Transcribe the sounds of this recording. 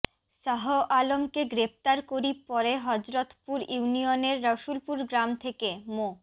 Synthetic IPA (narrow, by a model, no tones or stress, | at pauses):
ʃaɦoʔalomkeɡɾept̪aɾkoɾipɔɾeɦɔd͡ʑɾot̪puɾinioneɾːaʃulpuɾɡɾamt̪ʰekemo